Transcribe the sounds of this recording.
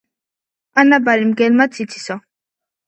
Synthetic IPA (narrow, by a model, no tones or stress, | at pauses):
anabaɾimɡɛlmat͡sit͡sʰi̥sɔ